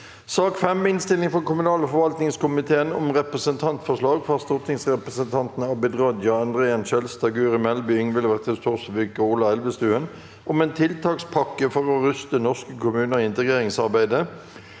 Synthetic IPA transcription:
sɑːkfɛmːɪnst̪ɪlɪŋfɔʁkʊmʉnɑːləfɔʁʋɑlt̪nɪŋskʰʊmɪt̪ʰeːənɔ̰mʁɛpʁəsənt̪ʰɑnt̪fɔʂlɑːɡfɑʁst̪ʊt̪ʰɪŋsʁɛpʁəsənt̪ʰɑnt̪n̩ɑbɪd̪ʁɑd̪jɑɑnd̪ʁeːənʃɛlst̪ɑɡʉːʁɪmɛlbɪʏŋʋɪlːəʋæʁt̪ʰɪst̪ʰɔʁsʋʏkəuːlɑɛlʋəst̪ʉːən | ʔɔmɛːnt̪ʰɪlt̪ʰɑːkspʰɑkːəfɔʁɔʁʏst̪ənɔskəkʰʊmʉːnəʁɪɪnt̪əɡʁeːʁɪŋsɑʁbæɪd̪ə

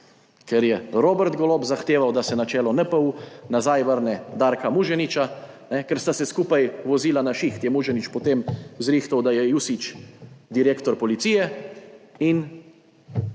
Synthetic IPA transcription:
kɛɾjɛɾoːbɛɾt̪ɡɔloːbzaxt̪eːʋawd̪asɛnat͡ʃɛːlɔnɛpəunazajʋəɾnɛd̪aːɾkamuʒɛnit͡ʃa | nɛkɛɾst̪asɛskuːpajʋɔziːlanaʃixt̪jɛmuːʒɛnit͡ʃpot̪emzɾiːxt̪awd̪ajɛjusit͡ʃd̪iɾeːkt̪ɔɾpɔlit̪sijɛ | in

